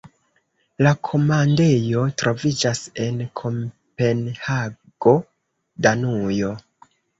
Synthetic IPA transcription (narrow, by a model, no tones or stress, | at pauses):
lakʰo̞mande̞jo̞tɾo̞vid͡ʒase̞nkʰo̞m | pe̞nha | ɡ̥o̞ | danujo̞